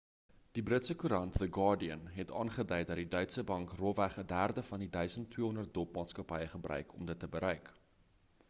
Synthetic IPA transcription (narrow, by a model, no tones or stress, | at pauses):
d̥ibrətsəkuɾɐntðəɡɑːdiənɦɛtɑːnχədɛjt̚dɐtdidœɥtsəbɐŋkrɔlvæχədæːrdəfɐndidœɥsəntːwiəɦɔndərt̚dɔpmɑːtskɐpəjəχəbrœ̰ɥkʰɔ̰mdətːəbəɾœɥk